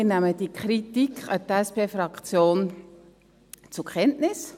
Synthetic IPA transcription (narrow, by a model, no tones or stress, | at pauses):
ɪnæməd̥ikχɾitikχɑt̪æspeːfɾɑkt͡sjoːn | t͡sʊkʰχɛntnɪs